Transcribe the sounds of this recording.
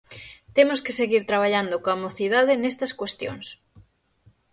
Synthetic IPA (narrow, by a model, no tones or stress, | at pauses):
t̪emoskeseɣiɾt̪ɾaβ̞aʎand̪okoamoθiðaðɪnest̪ɐskwest̪jo̰ŋs